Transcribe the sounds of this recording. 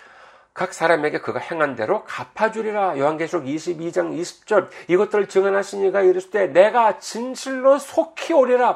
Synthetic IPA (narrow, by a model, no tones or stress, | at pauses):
kak̚s͈aɾame̞ɡe̞kɯɡahe̞ŋɦande̞ɾokapʰad͡ʑuɾiɾajohanɡe̞sʰuoɡiɕʰibid͡ʑaŋiɕʰi̥p̚t͡ɕ͈ʌɾiɡʌt͈ɯɾɯɭt͡ɕɯŋɦanɦaɕʰiɲiɡaiɾɯɕʰide̞ne̞ɡat͡ɕinɕʰiɭːosʰokʰioɾiɾa